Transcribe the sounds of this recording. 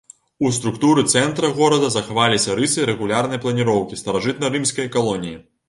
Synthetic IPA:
ust̪ɾukt̪uɾɨt̪sɛnt̪ɾɐɣɔɾɐd̪ɐzɐxavalʲisʲɐɾɨsɨɾɛɣulʲarnɐjɐplˠɐnʲiɾɔwkʲist̪ɐɾaʐɨt̪̚nɐɾɨmsʲkɐjɐkalˠɔnʲiji

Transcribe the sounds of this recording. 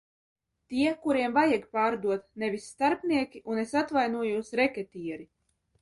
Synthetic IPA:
t̪iɛkuɾiɛmvajɛɡpaːɾd̪uɔt̪nevʲisːt̪aɾpniɛkʲiʔunesat̪vajnuɔjuɔsɾɛkʲɛt̪ʲiːɾi

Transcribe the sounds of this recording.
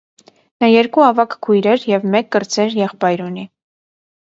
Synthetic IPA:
nɑjɛɾkuɑvɑkkʰujɾɛɾjɛvmɛkːəɾt͡sʰɛɾjɛχpɑjɾuni

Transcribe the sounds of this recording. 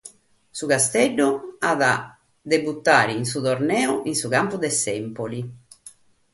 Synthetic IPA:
sukast̪ɛɖːuaða | d̪ebut̪ːaːɾiːns̬ut̪oɾnɛːuʔinsukampud̪ɛsɛmpoli

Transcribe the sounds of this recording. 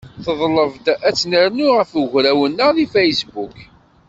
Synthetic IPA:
θəðˤləvd̪æt͡sːnəɾnuʁəfəʝɾæwənːəðifæjsbuk

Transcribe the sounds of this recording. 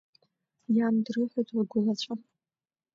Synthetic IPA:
jaːmdrɨħʷajtʰʼwɡʷʊlat͡ɕʷʰa

